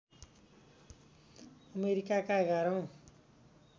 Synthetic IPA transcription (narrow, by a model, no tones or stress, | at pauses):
ʌmeɾikakaɡʱʌɾʌw̃